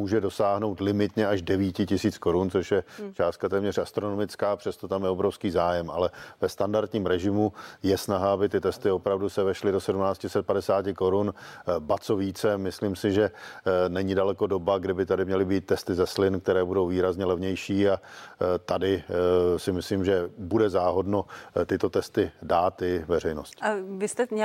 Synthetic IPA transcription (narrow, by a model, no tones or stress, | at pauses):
muːʒɛdo̞saːɦno̞wt̪lɪmɪt̪ɲɛaʒdɛviːtcɪcɪsiːt͡sko̞ɾunt͡so̞ʃjɛt͡ʃaːst̪̚kat̪ɛːmɲɛr̝ast̪ɾo̞nomɪt͡skaːpr̥ɛst̪ot̪amjɛobɾo̞fskiːzaːjɛmʔalɛvɛst̪andaɾt̪ɲiːmɾɛʒɪmujɛsnaɦaabɪt̪ɪt̪ɛst̪ɪo̞pɾavdusɛvɛʃlɪdosɛdumnaːt͡scɪsɛt̪̚padɛsaːcɪko̞ɾunbat͡soviːt͡sɛmɪsliːmsɪʒɛnɛɲɪdalɛko̞do̞baɡdɪbɪt̪adɪmɲɛlɪbiːt̪̚ːɛst̪ɪzɛslɪnkt̪ɛɾɛːbudo̞wviːɾazɲɛlɛvɲɛjʃiːat̪adɪsɪmɪslimʒɛbudɛzaːɦo̞dnot̪ɪt̪o̞t̪ɛst̪ɪdaːt̪ɪvɛr̝ɛjno̞scavɪst̪ɛɲ